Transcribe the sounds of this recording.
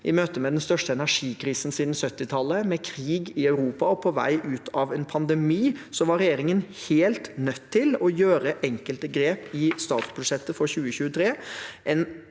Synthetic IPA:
ʔɪmøːt̪əmɛd̪ɛnst̪œʂʈəɛnæʂiːkʰɾiːsn̩siːd̪n̩sœt̪ːɪt̪ʰɑlːəmɛkʰɾiːɡɪɑʉɾuːpɑɔpʰɔʋæ̰ɪʔʉːt̪ʰɑʋɛnpʰɑnd̪ɛmiːsɔʋɑɾɛjeːɾɪŋənheːlt̪nœt̪ʰːɪlɔjøːɾəʔɛŋkəlt̪əɡɾeːpɪst̪ɑːt̪sbʉd̪ʂɛt̪ːəfɔɾçʉːəçʉːət̪ʰɾeːʔɛn

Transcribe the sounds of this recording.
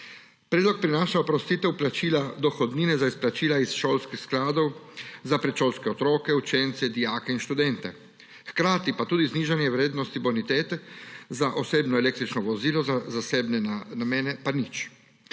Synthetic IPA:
pɾɛːd̪lɔk̚pɾinaːʃaɔpɾɔst̪iːt̪ɛwplat͡ʃiːlad̪ɔxɔd̪niːnɛzaisplat͡ʃiːlaisʃoːlskixsklaːd̪ɔwzapɾɛt͡ʃoːlskɛɔt̪ɾoːkɛut͡ʃent̪sɛd̪ijaːkɛinʃt̪ud̪ɛnt̪ɛ | xkɾaːt̪ipat̪uːd̪izniːʒanjɛwɾeːd̪nɔst̪ibɔnit̪eːt̪ɛzaʔoseːbnɔɛleːk̚t̪ɾit͡ʃnɔʋɔziːlɔzazaseːbnɛanameːnɛpanit͡ʃ

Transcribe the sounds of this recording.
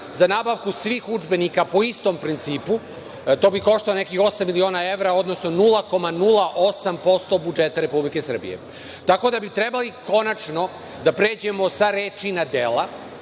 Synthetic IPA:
zanaːbaʋkusʋiːxud͡ʒbe̞nikapo̞ist̪o̞mpɾint̪siːpu | t̪o̞ːbiko̞ʃt̪aone̞kixo̞samːilio̞ːnae̞ʋɾao̞d̪no̞sno̞nulˠako̞manulˠaʔo̞sampo̞st̪o̞bud͡ʒe̞t̪aɾe̞publike̞sr̩bḭjḛ | t̪ako̞d̪abit̪ɾe̞baliko̞nat͡ʃno̞ | d̪apɾe̞ːd͡ʑe̞mo̞saɾeːt͡ʃinad̪ela

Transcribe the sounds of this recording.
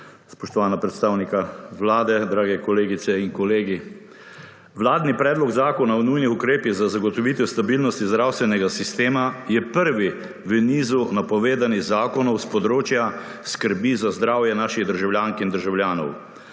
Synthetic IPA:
spɔʃt̪ɔʋaːnapɾɛt̪st̪aːwnikaʋlaːd̪ɛd̪ɾaːɡɛkɔleːɡit̪sɛinkɔleːɡi | ʋlaːd̪nipɾɛːd̪lɔɡzaːkɔnawnujnixukɾeːpiɣzazaɡɔt̪ɔʋit̪ɛst̪abilnɔst̪izd̪ɾawst̪ʋɛnɛɡasist̪eːmajɛpəɾʋi | ʋəniːzunapɔʋeːd̪aniɣzaːkɔnɔwspɔd̪ɾoːt͡ʃjaskəɾbizazd̪ɾaːwjɛnaːʃiɣd̪əɾʒawljaːŋkind̪əɾʒawljaːnɔ̰w

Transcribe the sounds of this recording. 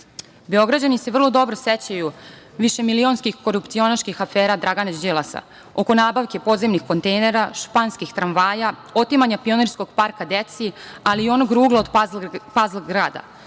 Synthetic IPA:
be̞o̞ɡɾad͡ʑanise̞ʋr̩lˠo̞d̪o̞bɾoset͡ɕaju | ʋiʃe̞milio̞nskixko̞ɾupt̪sio̞naʃkixafeːɾad̪ɾaɡanad͡ʑd͡ʒelˠasa̰ | o̞ko̞naːbaʋke̞po̞d̪zemnixko̞nt̪ejne̞ɾaʃpanskixt̪ɾanʋaːja | o̞t̪imaɲapio̞neɾsko̞ɡ̥paɾkad̪et̪sialiːo̞noɡɾuːɡlaod̪pazlɡɾaːd̪a̰

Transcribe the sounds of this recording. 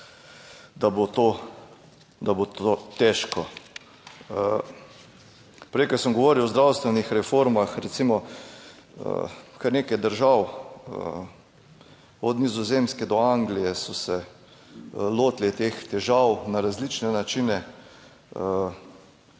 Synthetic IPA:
d̪abot̪o | d̪abot̪ot̪ɛʃkɔ | pɾɛjkəsəmɡoɔʋoːɾiwɔzd̪ɾawst̪ʋɛnixɾɛfoɾmaxɾɛt̪simɔ | ə̰kaɾnekajd̪əɾʒaw | ɔd̪nizɔzemskɛd̪ɔaŋɡlijɛsɔsɛ | loːt̪lit̪ext̪ɛʒawnaɾazlit͡ʃnɛnat͡ʃinɛ | ə

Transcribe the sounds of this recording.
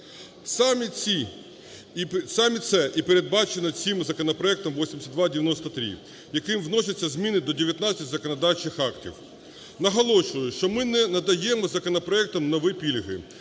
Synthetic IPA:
smʲii | sɑmʲit̪sɛʔipeɾe̞d̪̚bɑt͡ʃenɐt͡sʲimzɐkɔnɔpɾɔɛk̚t̪ɔmʋɔsʲimʲesʲɐt̪d̪ʋɑdʲɪʋʲjɐnɔst̪ɐt̪ɾʲḭ | jɐkɪmwnɔsʲɐt͡sʲːɐzʲmʲinɪd̪ɔdʲeʋʲjɐt̪nat͡sʲːɐtʲzɐkɔnɐd̪ɑwt͡ʃɪxɑktʲḭw | nɐɦɐlˠɔʃʊjʊʃt͡ʃɔmɪnɛnɐd̪ɐjɛmɔzɐkɔnɔpɾɔɛk̚t̪ɔmnɔʋɪpʲilʲɦɪ̰

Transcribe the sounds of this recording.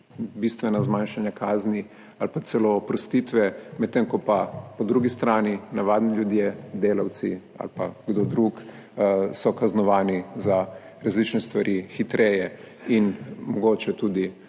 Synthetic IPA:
bist̪ʋɛnazmanʃanjakʰaːzni | alpat̪sɛlopɾɔst̪it̪ʋɛmɛt̪ːeːŋkɔpapɔd̪ɾuɡist̪ɾaːninaʋaːd̪niljud̪jed̪eːlawt̪si | a̰lpa̰ɡd̪od̪ɾuk | sɔkaznɔʋaːniza | ɾazlit͡ʃnɛst̪ʋaɾʔixit̪ɾʔɛːjɛ | inmɔɡoːt͡ʃɛt̪uːd̪i

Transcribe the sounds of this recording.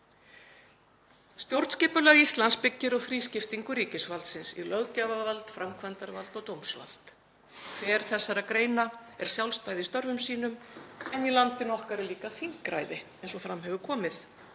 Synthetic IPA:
st̪jowɾt̪scɪːpʏlaɾist̪lanspɪcːɪɾɔɣθɾiːscɪft̪iŋkʏɾiːcɪsvalt̪sɪnsḭlœɣcavavalt̪fɾʔamkʰvant̪aɾvalt̪ɔɣt̪owmsva̰lt̪ | kʰvɛːɾ̥θɛsːaɾakɾeːjnaɛɾ̥sjawlst̪aːjðɪst̪œɾvʏmsiːnʏmɛnilant̪ɪnɔhkaɾɪliːkaθiŋkɾa̰jðɪɛnsɔfɾamɦɛvʏkʰɔːmɪθ

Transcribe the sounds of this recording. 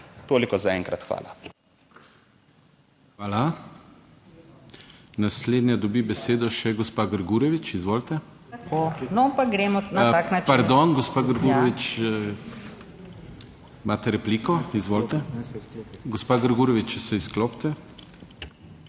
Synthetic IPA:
t̪oːlikɔzaɛŋkɾat̪xʋa̰ːla | xʋaːla | nasleːd̪nʲjad̪ɔbibɛseːd̪ɔʃɛɡɔspaːɡəɾɡuɾɛʋit͡ʃizʋoːlt̪ɛ | kʰonɔpaɡɾɛmɔnaaknapaɾd̪ɔnɡɔspaːɡəɾɡuɾɛʋit͡ʃ | mʔaːt̪ɛɾɛpliːkɔizʋoːlt̪ɛ | ɡɔspaːɡəɾɡuɾɔʋit͡ʃt͡ʃɛsɛiskloːpt̪ɛ

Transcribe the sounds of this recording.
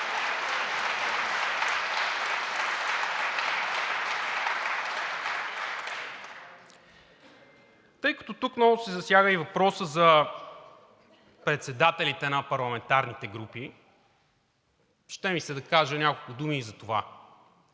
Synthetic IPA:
t̪ɤjkɐ̥t̪ot̪uknɔvʊsɛzɐsjaɣəivɐpɾɔsəzɐ | pɾɛt̪sɛd̪at̪ɛlit̪ɛnɐpɐɾlˠɐmɛnt̪aɾnit̪ɛɡɾupi | ʃt̪ɛmisɛd̪ɐkaʒənʲakolˠkʊd̪umiːzɐt̪ova̰

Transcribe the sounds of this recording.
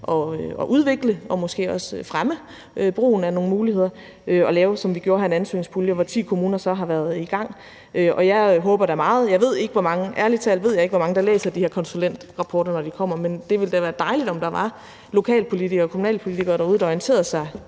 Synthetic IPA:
ʔɒ̽ɒ̽ʔuð̞ˠʋe̝ɡ̥ləɒ̽mɔ̽sɡ̥e̝̰ːɒ̽sfʁamə | ʔb̥ʁo̝̰ːn̩æno̝ŋn̩muːlihe̝ð̰ˠɐ | øɒ̽lɛːʊsɒ̽mʋiɡ̥jo̝ːɐhɑ̈e̝nænsø̰ːn̩spʰuljəɒʋɒt͡sʰḭːkʰo̝muːnɐsɒ̽ɦɑ̈ʋæɐð̞ˠiɡ̥ɑ̈ŋ̰ | ʔøʔɒ̽jɑ̈ɪɦɔ̽ːb̥ɐɾ̥æmɑ̈ːð̞̩ˠjɑ̈ɪʋe̝ð̞̰ˠe̝ɡ̥əʋɒmɑ̈ŋəʔæɐlit͡sʰɛlʋe̝ð̞̰ˠjɑɪe̝ɡ̥ʋɒmɑ̈ŋəd̥ɑ̈lḛːsɐd̥ihɛɐkʰɒ̽nsulen̰d̥ʁɑ̈pʰɒːɾɐnɒd̥ikʰɒ̽m̰ɐmend̥e̝ʋe̝ld̥æʋæːɐd̥ɑ̈ɪlid̥ɒ̽md̥ɑ̈ʋɑ̈ | lo̝kʰɛ̰ːlpʰo̝lit͡sʰiɡ̥ɐːkʰomunɛ̰ːlpʰo̝lit͡sʰiɡ̥ɐːɾɑ̈uð̞̩ˠɒient͡sʰe̝̰ːɐðsɑ̈ɪ

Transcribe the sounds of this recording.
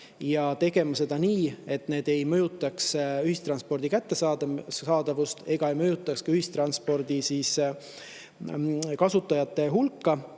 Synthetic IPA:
jɑt̪e̞ɡ̥e̞mɑse̞d̪ɑniːe̞t̪ne̞ːd̪̥e̞jmɤjut̪ːˑɑksyhist̪ɾrɑnspo̞rd̪̥ikæt̪ːe̞sɑd̪ɑːd̪̥ɑvust̪e̞ɡ̥ɑe̞jmɤjut̪ːˑɑkskɑyhist̪rɑnspo̞rd̪̥isiːs | kɑsut̪ːˑɑjɑt̪ːˑe̞ɦulkːɑ

